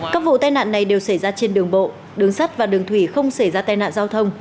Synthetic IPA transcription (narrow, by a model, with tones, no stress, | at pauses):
kaː˦˥k̚vṵ˧˨t̪aː˧jna̰ː˧˨nːa˨˩jɗe˨˩wsa˧˩jzaː˧t͡ɕe˧nɗɨ˨˩əŋɓo̰˧˨ | ɗɨ˨˦əŋsa˦˥t̚vaː˨˩ɗɨ˨˩əŋt̪ʰwi˧˩xə˧wŋ͡msa˧˩jzaː˧t̪aː˧jna̰ː˧˨nzaː˧wt̪ʰə˧wŋ͡m